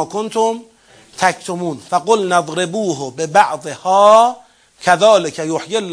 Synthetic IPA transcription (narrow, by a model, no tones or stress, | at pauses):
kont̪ʰom | t̪ʰækt̪ʰomuːnfaɡolnaðˤɾebuːɦbebaʕðˤehɑː | kʰaðɑːlɪkʰæjoħjelː